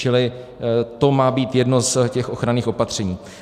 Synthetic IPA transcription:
t͡ʃɪlɪ | t̪o̞maːbiːt̪jɛdno̞scɛxʔo̞xɾaniːxo̞pat̪r̝̥ɛɲiː

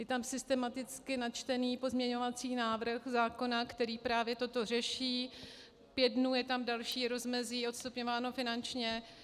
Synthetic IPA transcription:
jɛt̪amsɪst̪ɛmat̪ɪt͡skɪnat͡ʃt̪ɛniːpo̞zmɲɛɲo̞vat͡siːnaːvr̩xzaːko̞nakt̪ɛɾiːpɾaːvjɛt̪ot̪o̞r̝ɛʃiː | pjɛdnujɛt̪amdalʃiːɾo̞zmɛziːʔo̞t̪st̪upɲovaːno̞fɪnant͡ʃɲɛ

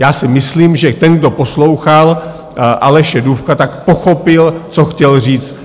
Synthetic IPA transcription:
jaːsɪmɪsliːmʒɛt̪ɛnɡdo̞poslo̞wxal | ʔalɛʃɛdufkat̪akpoxopɪlt͡so̞xcɛlr̝iːt͡st̪

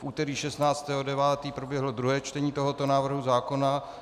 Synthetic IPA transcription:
fʔuːt̪ɛɾiːʃɛst̪naːt͡st̪ɛːɦodɛvaːt̪iːpɾobjɛɦlo̞d̪ɾuɦɛːt͡ʃt̪ɛɲiːt̪o̞ɦo̞t̪o̞naːvr̩ɦuzaːko̞na

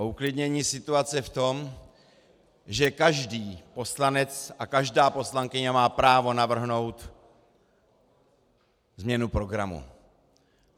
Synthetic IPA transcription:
uklɪdɲɛɲiːsɪt̪uat͡sɛft̪o̞m | ʒɛkaʒdiːpo̞slanɛt͡sʔakaʒdaːpo̞slaŋkɪɲamaːpɾaːvo̞navr̩ɦno̞wt̪ | zmɲɛnupɾo̞ɡɾamṵ

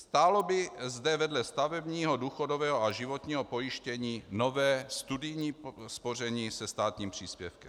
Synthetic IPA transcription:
st̪aːlobɪzdɛvɛdlɛst̪avɛbɲiːɦoduːxodovɛːɦoaʒɪvo̞t̪ɲiːɦopo̞jɪʃcɛɲiːno̞vɛːst̪udɪjɲiːspo̞r̝ɛɲiːsɛst̪aːt̪ɲiːmpr̝̥iːspjɛfkɛm

